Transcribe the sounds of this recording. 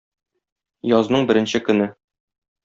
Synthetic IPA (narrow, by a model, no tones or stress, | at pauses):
jɒznɤɴbɘ̆ɾɘ̆nɕɘkɵ̆nɘ